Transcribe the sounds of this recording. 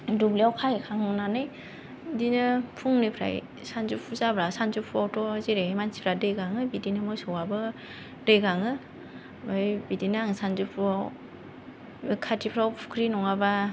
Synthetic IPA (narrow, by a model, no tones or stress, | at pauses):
dubliawkʰajkʰaŋɯnanɯj | dinɯpʰuŋnɯpʰɾa̰j | sanzupʰuzabɾasanzupʰuawtʰɔziɾemansi̥pʰɾadɯjɡaŋɯbidinɯmɔjsɔwabɯ | d̥ɯjɡaŋɯ | mɯjbidinaaŋsanzupʰua | kʰatʰipʰɾawpʰu̥kʰɾinɔŋaba